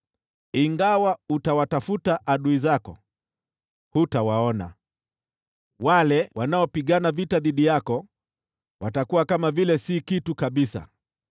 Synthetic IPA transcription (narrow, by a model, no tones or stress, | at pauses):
iŋɡawautawatafutaʔaɗuizakɔ̰ | hutawaɔna̰ | walɛwanaɔpiɠanavitaðiɗijakɔ | watakuwakamavilɛsikitukaɓisa̰